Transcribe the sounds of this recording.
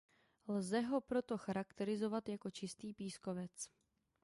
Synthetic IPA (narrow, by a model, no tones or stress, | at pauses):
lzɛɦo̞pɾo̞t̪o̞xaɾakt̪ɛɾɪzo̞vat̪jako̞t͡ʃɪst̪iːpiːsko̞vɛt͡s